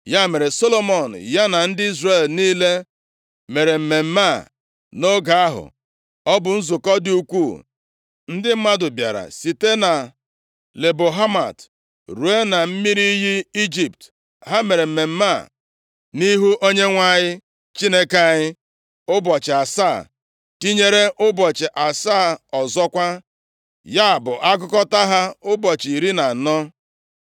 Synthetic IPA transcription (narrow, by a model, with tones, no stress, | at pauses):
ja˦me˨ɾe˨so˦lo˦mɔ˨n̩˨ja˦na˨n̩˦dɪ˦i˦zre˨lniː˦le˦ | me˨ɾe˨m̩˨me˨m̩˦ma˦˨ | no˦ɡa˨a˦ɦʊ̰˨ | ɔ˦bʊ˨n̩˦zʊ˨kɔ˦dɪ˦u˦kʷuː˦˨ | n̩˦dɪ˦m̩˦ma˦dʊ˨bja̰˨ɾa̰˨si˨te˦na˨ | le˨bo˨ɦa˦ma̰˨t | ɾu˨e˦na˨m̩˦mi˦ɾi˦ɦi˦i˦d͡ʒi˨pt | ɦa˦me˨ɾe˨m̩˨me˨m̩˦ma˦˨ | ni˦ɦu˦ʔo˦ɲe˦ŋʷa˦ɲɪ˦ | t͡ʃi˦ne˦ke˦a˨ɲɪ˦ | ʊ˦bɔ˨t͡ʃɪ˨a˨saː˦˨ | ti˦ɲe˦ɾe˦ʔʊ˦bɔ˨t͡ʃɪ˨ʔa˨saː˦˨ɔ˨zɔ˦kʷa˦ | ja˦a˨bʊ˨ʔa˦ɡʊ˦kɔ˦ta˦ɦa˦ʊ˦bɔ˨t͡ʃi˨ɾi˦na˨nɔ˦